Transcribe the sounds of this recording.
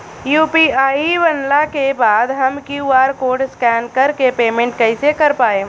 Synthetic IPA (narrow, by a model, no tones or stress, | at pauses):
juːpiːaːiʋɐnlakebaːd̪ɦɐmkjuaːɾkoːɖskɛːnkɐɾkepeːmẽɳʈkɐɪsekɐɾpaːeː